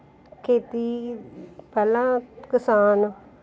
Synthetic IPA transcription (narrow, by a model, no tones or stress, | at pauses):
kʰeːt̪iː | pɛːlãːkɪsaːno